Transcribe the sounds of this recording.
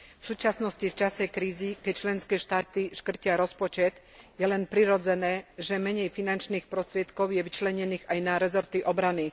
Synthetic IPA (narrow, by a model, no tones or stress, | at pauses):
fsuːt͡ʃasnɔscift͡ʃasɛkɾiːzikɛc̚t͡ʃlɛnskɛːʃt̪aːt̪iʃkr̩cɪaɾɔspɔt͡ʃɛt̪ | jɛlɛnpɾiɾɔd͡zɛnɛːʒɛmɛɲɛjfinant͡ʃniːxpɾɔst̪ɾɪɛt̪kɔʊjɛʋit͡ʃlɛɲɛniːɣajnaɾɛzɔɾt̪iʔɔbɾani